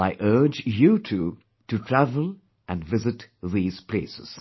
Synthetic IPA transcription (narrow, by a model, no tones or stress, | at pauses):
aɪʔɜ˞d͡ʒjutʰu | tutʰɹævəl̩ | ʔæ̃nvɪzɨtðiːz̥pʰleɪsɪz̥